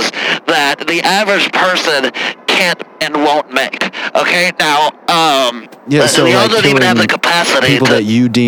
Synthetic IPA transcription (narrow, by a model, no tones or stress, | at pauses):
zðət̪̚ðiʔævə˞ɨ̥d͡ʒ̥pʰɜ˞sɨ̃nkʰæ̃nɨ̃nwõʊ̃nmeɪkʔoʊkʰeɪnaʊʌ̃m | jæsoʊiaðəñɨvðɨkʰəpʰæsəɾipipl̩ˠðɨt͡ʃɨdĩ